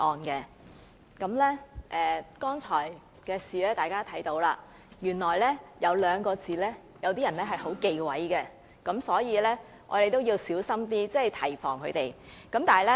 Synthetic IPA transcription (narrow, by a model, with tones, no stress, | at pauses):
ʔɔː˨˩nkɛ˧ | kɐ˨˥mlɛː˥ʔɛː˨kɔː˥ŋt͡sʰɔː˨˩j | kɛː˧siː˨lɛː˥t̪aː˨jkaː˥t̪ʰɐ˨˥jt̪o˨˥wlaː˧ | jyː˨˩nlɔː˨˩jlɛː˥jɐ˨˧wlœː˨˧ŋkɔː˧t͡siː˨˧lɛː˥ | jɐ˨˧wt̪iː˥jɐ˨˩nɛː˥ɦɐ˨˩jɦo˨˥wke˧jwɐ˨˥jɡɛ˧ | kɐ˨˧˥msɔː˨˥jiː˨˧lɛː˥ | ʔɔ̰ː˨˧ɾe˨jt̪o˥wjiː˧wsiː˨˥wsɐ˥mt̪iː˥t͡sɛ˥˨jt̪ʰɐ˨˩jfɔ̰ː˨˩ŋkʰɵ˨˧t̪e˨j | kɐ˨˥mt̪aː˨lɛ˥